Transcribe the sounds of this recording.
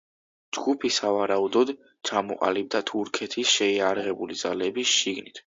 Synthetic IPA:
d͡ʒɡupʰisavaɾaud̪ɔd̪ | t͡ʃʰamɔqʼa̰lib̚d̪at̪ʰuɾkʰɛt̪ʰisʃɛiaɾaʁɛbulid̪zalɛbisʃiɡnit̪ʰ

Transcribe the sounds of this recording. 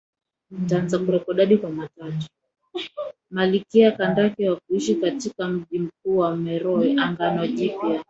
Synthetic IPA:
n̩taanzakuɾɛkɔɗaɗikwamatatu̥ | malikiakandakɛwakuiʃikatikam̩ʄim̩kuːwamɛɾɔɛʔaŋɡanaʄipja

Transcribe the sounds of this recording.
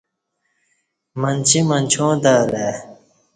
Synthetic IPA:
mɐnt͡ɕʰimɐnt͡ɕʰõːd̪aːle

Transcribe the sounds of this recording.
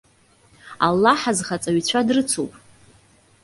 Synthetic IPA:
a̰lːaħazχat͡sʼaɥit͡ɕʷʰadrɨt͡sʰṵpʼ

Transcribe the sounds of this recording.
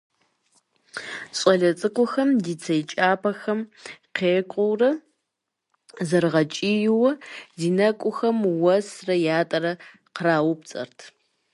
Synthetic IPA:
ɕʼɐɮɐt͡sʼɨkʷʼʊxɐmdiːt͡sʰɐjt͡ʃʼaːpʰɐxɐmqeːkʷʼʊwrɐ | zɐrʁɐt͡ʃʼiːjɪwɐdiːnɐkʷʼʊxɐmwɐsrɐjaːtʼɐɾɐ | qəraːwʊp̚t͡sʼɐ̰rtʰ

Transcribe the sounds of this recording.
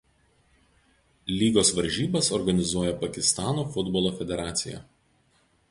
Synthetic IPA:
lʲiːɡoːsʋɐɾʲʒʲiːbɐsɔɾɡɐnʲɪzuɔjɛpɐkʲɪst̪ɑːnoːfʊd̪bɔːlˠoːfʲɛd̪ʲɛɾɑːt̪sʲɪ̰jɛ̰

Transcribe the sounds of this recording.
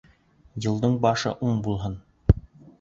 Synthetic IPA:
jɤ̆lˠd̪ɤɴbɑʃɤ̰ʔuɴbulˠɦɤn

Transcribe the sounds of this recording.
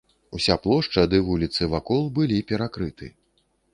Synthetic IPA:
usʲaplˠɔʂt͡ʂɐd̪ɨvulʲit̪sɨvakɔlˠbɨlʲipʲɛɾakɾɨt̪ʰɨ̰

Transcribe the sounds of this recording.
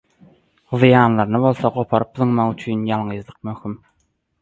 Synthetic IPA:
ðjɑːnlˠɑɾnɯβo̞lˠθɑɢo̞pʰɑɾɯp̚ðɯŋmɑʁyt͡ʃʰyːnjɑlˠɴɯzlˠɯq̚møxym

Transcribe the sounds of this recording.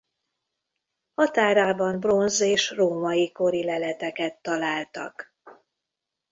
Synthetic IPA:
hɒt̪aːɾaːbɒnbro̞nzeːʃroːmɒjiko̞ɾilɛlɛt̪ɛkɛt̪ːɒlaːlt̪ɒ̰k

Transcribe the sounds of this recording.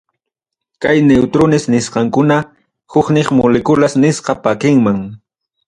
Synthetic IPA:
kajnewt̪ɾonɪsnɪsqɑŋkʊna | hʊknɪχmʊlɪkʊlasnɪsqɑpakɪŋmaŋ

